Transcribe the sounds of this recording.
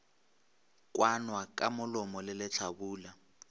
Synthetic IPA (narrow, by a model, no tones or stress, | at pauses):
kʼwanwakʼamʊlʊmɔlɪlɪt͡ɬʰabuːla